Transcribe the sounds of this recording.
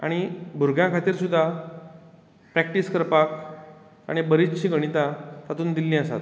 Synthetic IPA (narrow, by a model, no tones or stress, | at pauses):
a̰ɽ̃ibʱuɾɡjãkʰat̪iːɾsud̪ʱːa | pɾɛk̚ʈiskəɾpak | a̰ɽ̃ibəɾit͡st͡ɕʰiːɡəɽ̃it̪at̪at̪uːnd̪ilːĩəsa̰t̪